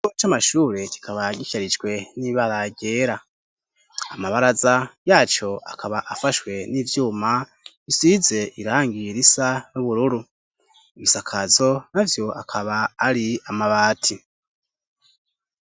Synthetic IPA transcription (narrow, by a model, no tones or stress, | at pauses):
ot͡ʃamaʃuːɾe̞ci̥kʰaβaɟiçaɾid͡ʒɡwe̞niβaɾaɟe̞ːɾa | amaβaɾazajaːt͡ʃo̞a̰kʰaβaʔafaʃwe̞niːvjuːma | isize̞ʔiɾaːŋɡiɾisanuβuɾuɾu | iβisakʰazo̞navjo̞a̰kʰaβaːɾiamaβaːtʰi